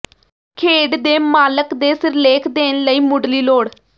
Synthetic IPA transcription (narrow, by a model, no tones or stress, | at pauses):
kʰeːɖd̪eːmaːləkd̪eːsɪɾleːkʰd̪eːnləiːmʊɖliːloːɽ